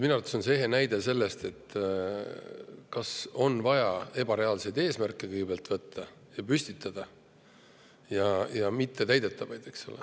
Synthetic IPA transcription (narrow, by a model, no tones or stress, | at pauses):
minɑrt̪sunseeɦe̞næjd̪̥e̞se̞lːe̞st̪e̞t̪ːˑ | kɑso̞nvɑjɑe̞b̥ɑɾe̞ɑlse̞jd̪e̞ːsmærkːˑe̞kɯjɡbeːlt̪vɤt̪ːɑ | jɑpysʲt̪it̪ːˑɑd̪̥ɑ | jɑjɑmit̪ːe̞t̪æjd̪e̞t̪ːˑɑvɑjd̪̥e̞kso̞̰le